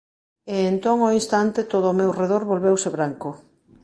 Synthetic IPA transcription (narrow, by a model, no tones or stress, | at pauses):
eːnt̪oŋoinst̪ant̪et̪oðʊːmewreðoɾβolβewseβɾaŋko